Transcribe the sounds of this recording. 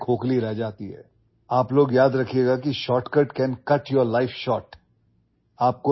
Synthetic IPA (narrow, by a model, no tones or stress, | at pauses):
kʰoːkliɾɛɦd͡ʒaːt̪iɦɛ̰ː | aːploːɡjaːd̪ɾɐkʰieːɡakiʃɔːʈkəʈkɛːnkɐʈjɔɾlaɪfʃɔːʈ | aːp̚ko